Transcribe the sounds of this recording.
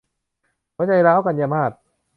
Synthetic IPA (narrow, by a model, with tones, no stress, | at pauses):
kʰɔ˦˥˦t͡ɕa˧jlaː˦˥˩wka˧nja˧maː˧˩t̪̚